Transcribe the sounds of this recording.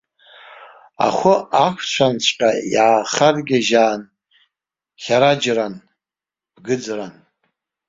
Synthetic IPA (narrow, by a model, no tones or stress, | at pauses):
a̰χʷʊakʷʰt͡ɕʷʰant͡ɕʷʰʼqʲʼajaːχarɡʲaʒaːn | χʲaɾad͡ʒran | b̥ɡɨd͡zran